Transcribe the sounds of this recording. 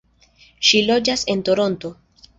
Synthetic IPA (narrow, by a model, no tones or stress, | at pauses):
ʃilo̞d͡ʒase̞nto̞ɾo̞nto̞